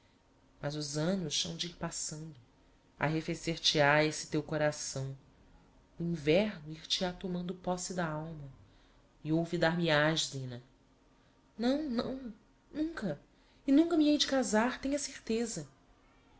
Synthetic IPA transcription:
mɐzʊzɐ̃nʊʃsɐ̃w̃d͡ʒiiɾpasɐ̃nd̪ʊ | a̰ɦefeseɾt͡ʃɪaesɪ̥t̪ewkoɾasɐ̃w̃ | ʊĩvɛɾnʊiɾt͡ʃɪat̪omɐ̃nd̪ʊpɔsɪd̪ɐawmɐ | ɪowvid̪aɾmiaʒd̪ĩnɐ | nɐ̃w̃nɐ̰̃w̃ | nũŋkɐ | ɪnũŋkɐmiejd͡ʒɪkazaɾt̪ẽɲɐseɾt̪ezɐ

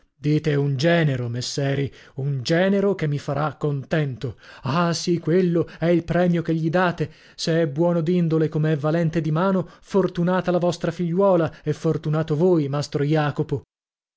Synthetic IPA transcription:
d̪iːt̪eund͡ʒɛːneɾomesːɛːɾiund͡ʒɛːneɾokemːifaɾakːont̪ɛnt̪oasikwelːoɛilpɾɛːmjok̟eʎːid̪aːt̪e | seɛbːwɔːnod̪ind̪olekomeɛvːalɛnt̪ed̪imaːnofort̪unaːt̪alavɔst̪ɾafiʎːwɔːlaefːort̪unaːt̪ovoːjmast̪ɾojaːkopo

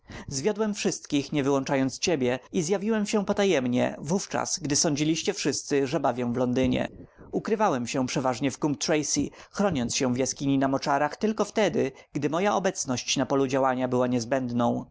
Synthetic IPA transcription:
zvʲjɔd̪wɛmfʂɘst̪kʲixɲɛvɘwɔnt͡ʂajɔnt̪st͡ɕebʲjɛizjavʲiwɛmɕɛpɔt̪ajɛmɲɛ̰vuft͡ʂa̰sɡd̪ɘsɔɲd͡ʑilʲiɕt͡ɕɛfʂɘst̪sɘʐɛbavʲjɔ̃w̃vlɔnd̪ɘɲɛ̰ | ukɾɘvawɛmɕɛpʂɛvaʐɲɛfkump̚t̪ɾɛjsixɾɔɲɔnt̪sɕɛ̃vʲjaskʲiɲinamɔt͡ʂaɾaxt̪ɘlkɔft̪ɛd̪ɘɡ̥d̪ɘmɔjaʔɔbɛt̪snɔɕt͡ɕnapɔlud͡ʑawaɲabɘwaɲɛzbɛnd̪nɔ̃w̃

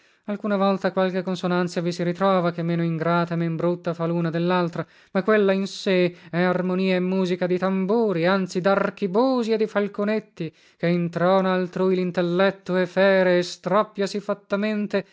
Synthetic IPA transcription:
alkunavɔlt̪akwalk̟ekːonsonant̪savisiɾit̪ɾɔːvakemːeːnoiŋɡɾaːt̪aemembɾut̪ːafaluːnad̪elːalt̪ɾa | makːwelːainseɛarmoniːaemːuːzikad̪it̪ambuːɾiant̪sid̪ark̟ibuːzied̪ːifalkonet̪ːi | keint̪ɾɔːnaːlt̪ɾuːjlint̪elːɛt̪ːoɛfɛːɾeːst̪ɾɔpːjasifat̪ːament̪e

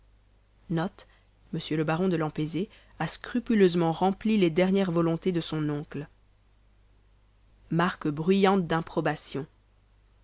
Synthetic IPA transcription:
nɔt̪ | məsjøləbaʁɔ̃d̪əlɑ̃peze | askχypyløzmɑ̃ʁɑ̃pliled̪ɛʁnjɛʁvɔlɔ̃t̪ed̪əsɔ̃nɔ̃kl | maʁkbʁɥyjɑ̃t̪̚d̪ɛ̃pχɔbasjɔ̃

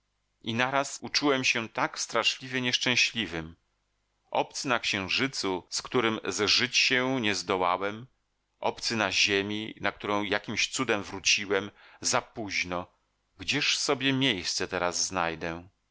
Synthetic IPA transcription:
inaɾasut͡ʂuwɛmɕɛt̪akst̪ɾaʂlʲivʲɛɲɛʂt͡ʂɛ̃w̃ɕlʲivɘm | ʔɔ̰p̚t̪sɘnakɕɛ̃w̃ʐɘt̪suskt̪uɾɘmzʐɘt͡ɕɕɛ̃ɲɛzd̪ɔwawɛm | ʔɔ̰pt̪sɘnaʑemʲinak̚t̪uɾɔ̃w̃jakʲimɕt̪sud̪ɛmvɾut͡ɕiwɛmzapuʑnɔ | ɡd͡ʑɛʂsɔbʲjɛmʲjejst̪sɛt̪ɛɾazːnajd̪ɛ

